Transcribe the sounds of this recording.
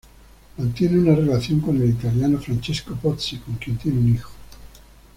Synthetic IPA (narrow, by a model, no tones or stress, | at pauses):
mant̪jɛneunarelat̪sjoŋkonilit̪aljaːnofɾant͡ʃeskopɔt̪sikoŋk̟int̪jɛneunixo̥